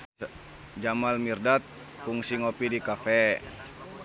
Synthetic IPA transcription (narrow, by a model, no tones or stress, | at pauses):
d͡ʒamalmirdat̪̚ | kuŋsiŋopidikafɛ